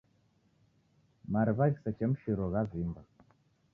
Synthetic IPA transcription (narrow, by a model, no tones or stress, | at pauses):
maɾβaɣsat͡ʃamʃiɾoɣavimba